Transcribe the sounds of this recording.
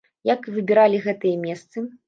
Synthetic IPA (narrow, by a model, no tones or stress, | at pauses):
jakvɨbʲiɾalʲiɣɛt̪ɨjɐmʲɛst̪sɨ